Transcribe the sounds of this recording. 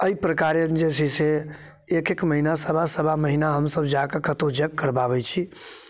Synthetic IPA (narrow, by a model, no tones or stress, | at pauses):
əipɾəkaɾed͡ʒesʰise | ekekməɦinasəbʱasəbʱaməɦinaɦəmsəbd͡ʒakekət̪od͡ʒəkːəɾbaβɛt͡ʃʰi